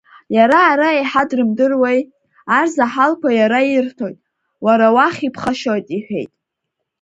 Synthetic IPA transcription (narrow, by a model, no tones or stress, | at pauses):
jaɾaːɾaejħadrɨmdɨrwej | arzaħalkʷajaɾaiɪrtʰojtʼ | waɾawaχʲipʰχaʃotʼiħᶣe̞̰jtʼ